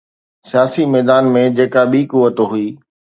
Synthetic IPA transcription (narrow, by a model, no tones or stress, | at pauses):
sɪjaːsimɛːd̪aːnmẽd͡ʑeːkaɓiːkuʋət̪oɦʊiː